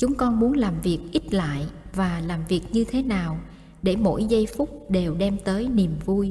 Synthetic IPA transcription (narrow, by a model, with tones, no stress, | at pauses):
t͡ɕʊ˨˦ŋ͡mkɔ˧nmu˨˦ənlaː˨˩mvi˨˩ək̚ʔi˦˥t̚la̰ː˧˨jvaː˨˩laː˨˩mvi˨˩ək̚ɲɨ˧t̪ʰe˨˦naː˨˩w | ɗe˧˩mo̰˧˥jzə˧jfʊ˦˥k͡p̚ɗe˨˩wɗɛ˧mt̪əː˨˦jni˨˩əmvu˧j